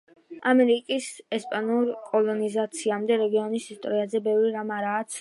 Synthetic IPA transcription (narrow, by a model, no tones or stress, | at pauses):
amɛɾikʼisɛspʼanuɾkʼɔlˠɔnizat̪sʰiamd̪ɛɾɛɡiɔnisist̪ʼɔɾiazɛbɛvɾiɾamaɾaːt̪sʰ